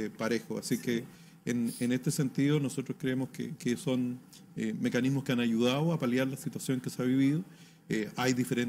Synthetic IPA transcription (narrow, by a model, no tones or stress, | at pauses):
paɾe̞xoasikeː | nenest̪e̞se̞nt̪iðono̞so̞t̪ɾoskɾeemoskḛkeso̞n | eme̞kanizmoskeanaʝuð̞aðoapaljaɾlasit̪wasjo̞ŋkeseaβiβiðo | eajðifeɾen